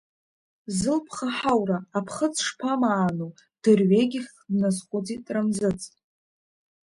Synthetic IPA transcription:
zɨlpʰχaħawraːpʰχət͡sʰʂpʰamaːnu | d̥ɨrɥeɡʲɪχʲ | dnazχʷʼʊd͡zitʼramzɨt͡sʼ

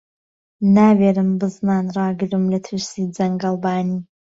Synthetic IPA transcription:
naːweːɾɨmbɨznaːnrɑːɡɨɾɨmlɐt̪ʰɨʃsiːd͡zɐŋɡɐlˠbaːniː

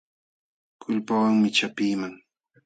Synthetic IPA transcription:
kʰʊlpawaŋmɪt͡ʃapiːmaŋ

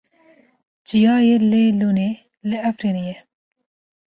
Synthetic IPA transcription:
d͡ʒijɑːjeleluːne | lɪæfɾinejɛ

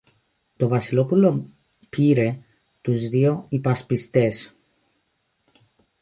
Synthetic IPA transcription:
t̪o̞vɐsilo̞pulo̞ | piɾe̞ | t̪uzðio̞ipɐspist̪e̞s

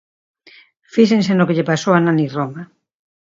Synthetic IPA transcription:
fiʃensenokeʎepasowananiroma

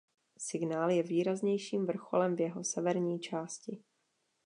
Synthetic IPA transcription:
sɪɡnaːljɛviːɾazɲɛjʃiːmvr̩xo̞lɛmvjɛɦo̞sɛvɛɾɲiːt͡ʃaːscɪ

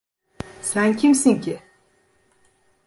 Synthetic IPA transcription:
saŋcʰimsiŋci

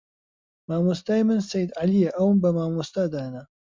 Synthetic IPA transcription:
maːmust̪aːjimɨnsɐjd̪ʕalijɐʔɐwnbɐmaːmost̪aːd̪aːnɐ

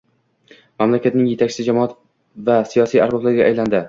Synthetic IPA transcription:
mamlakʲʰat̪nɪŋje̞t̪ʰak̚ʲt͡ʃɪ̥sɪd͡ʒamɒat̪ | vasijɒsijaɾbɒblaɾɡʲaʔːjland̪ɪ

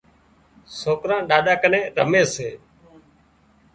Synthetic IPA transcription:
soːkɾãːɗaːɗaːkənẽːɾə̰meːseː

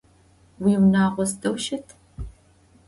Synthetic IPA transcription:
wiːwnaːʁʷɔsdɐwʃɐtʰ

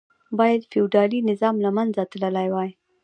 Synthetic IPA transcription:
bɑjad̪fɪwɖɑlinɪzɑmlamanzat̪ləlajwaj

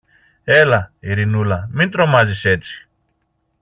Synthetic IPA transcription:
ɛlaiɾinulamint̪ɾomaziset͡si̥

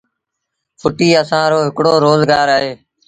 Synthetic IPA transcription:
fʰʊʈiːəsãːɾoːɦɪkɽoːɾoːzɡaːɾaːɦeː

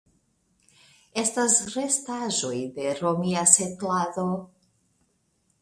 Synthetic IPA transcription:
e̞stasɾe̞staʒo̞jde̞ɾo̞miasetlado̞

